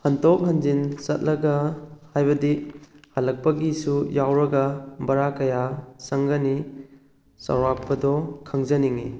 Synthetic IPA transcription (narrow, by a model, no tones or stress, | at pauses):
hɐntɔk̚ɦɐnd͡ʒinsɐt̚lɐɡɐhajbɐdihalɐk̚pɐɡisujawɾɐɡɐbɐɾakɐjasɐŋɡɐni | sɐ̰wɾak̚pɐdɔkʰɐŋzɐniŋi